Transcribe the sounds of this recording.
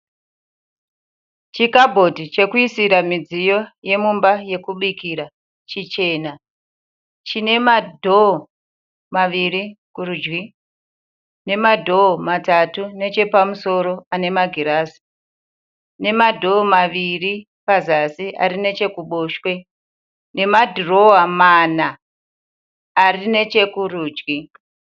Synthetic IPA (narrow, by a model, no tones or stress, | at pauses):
t͡ʃikabʱo̞dʱit͡ʃe̞kuisiɾamid͡zijo̞je̞mumbaje̞kuɓikiɾa | t͡ʃit͡ʃe̞ːna | t͡ʃine̞madʱo | maʋirikurud͡ʒwi | ne̞madʱo̞matatune̞t͡ʃe̞pamuso̞ɾo̞ane̞maɡʱiɾasi̥ | ne̞madʱo̞ːmaʋiri | pazasiʔa̰rine̞t͡ʃe̞kuɓo̞ːʃwe̞ | ne̞madʱuro̞wamana | rine̞t͡ʃe̞kuruːd͡ʒwi